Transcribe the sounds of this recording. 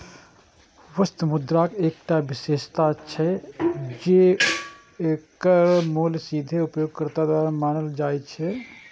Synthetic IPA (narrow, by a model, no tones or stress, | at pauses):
ʋəst̪mʊd̪ɾaːkeːkʈaʋɪʃeːʃt̪at͡ʃʰɛ | d͡ʒe | eːkəɾmoːlsiːd̪ʱeʊpjoːɡ̚kəɾt̪ad̪waːɾmaːñəld͡ʒaːjt͡ʃʰɛ